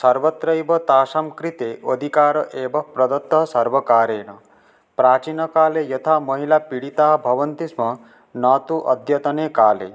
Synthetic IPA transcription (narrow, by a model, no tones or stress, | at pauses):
sɐɾbɔt̪ɾʌebɔt̪aːsamkɾit̪eʔod̪ʱikaːɾɔʔeːbɔpɾɔd̪ɔt̪ːɔɦsɐɾbɔkaːɾeːɽ̃ɔ | pɾaːt͡ʃinɔkaːlejɔt̪ʰamɔɦilapiɽit̪aɦbʱɐʋʌnt̪ismɔ | nat̪uʔʌd̪ʱjɐt̪ɔnekaːlḛ